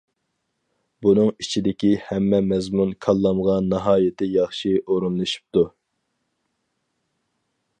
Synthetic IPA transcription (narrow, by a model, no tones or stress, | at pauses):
bunɨŋit͡ʃʰid̪ɪkʲihɛmːɛmɛzmunkʰɑlˠːɑmʁɑnːɑɦɑːjɪt̪ʰɪjɑχʃiʔoɾunlˠɨʃu̥p̚t̪u